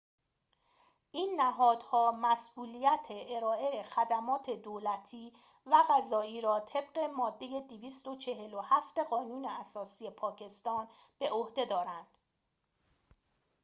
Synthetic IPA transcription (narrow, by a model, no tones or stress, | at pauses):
ʔiːnːæɦɒːd̪̥hɒːmæsʔuːlijæt̪ʰeʔeɾɒːʔe̞xæd̪æmɒːt̪ʰe̞d̪oːlæt̪ʰiː | væɣæzɒːiːɾɒːt̪ʰe̞bɢe̞mɒːd̪ːe̞je̞d̪iviːst̪o̞t͡ʃʰe̞ɦe̞lo̞hæft̪e̞ɣɒːnuːneæsɒːsiːe̞pʰɒːcʰe̞st̪ɒːn | b̥e̞ʔohd̪e̞d̪ɒːɾænd̪̥